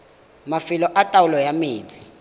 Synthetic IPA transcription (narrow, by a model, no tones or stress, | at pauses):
mafilɔʔatʼawulɔjamiːt͡sʰʼi̥